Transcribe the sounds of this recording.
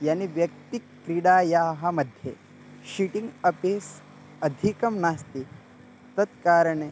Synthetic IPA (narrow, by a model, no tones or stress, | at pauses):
janiʋjɐk̚t̪ikːɾiɽaːjaːɦɐmɐd̪ʱje | ɕiʈiŋɡɐpes | ɐd̪ʱikɐmnaːst̪i | t̪ɐt̪kaːɾɳe